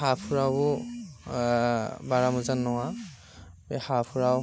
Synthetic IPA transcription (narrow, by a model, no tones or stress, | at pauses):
apʰuɹabʊ | baɹamuzanːɔwa | bɛhapʰuɹaw